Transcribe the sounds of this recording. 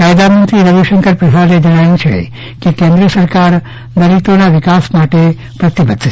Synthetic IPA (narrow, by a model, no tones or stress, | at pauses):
kajd̪amənt̪ɾiɾəbiʃəŋkəɾpɾəsaɾed͡ʒəɽ̃ajũt͡ʃʰḛ | kekẽnd̪ɾəsəɾkaɾ | d̪əɾit̪onaʋɪkasmaʈe | pɾət̪ibəd̪ʱː